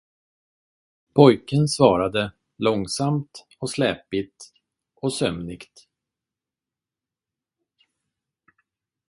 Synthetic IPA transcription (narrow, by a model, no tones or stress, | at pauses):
pʰɔjkənsvɑːɾad̪ə | lɔŋsamt̪ | ɔslɛːpɪt̪ | ɔsœmnɪɡt̪